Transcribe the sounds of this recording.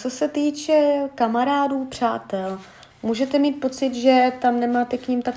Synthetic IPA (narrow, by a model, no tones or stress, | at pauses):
t͡so̞sɛt̪iːt͡ʃɛkamaɾaːduːpr̝̥aːt̪ɛl | muːʒɛt̪ɛmiːt̪̚po̞t͡sɪt̪ʒɛt̪amnɛmaːt̪ɛkɲimt̪ak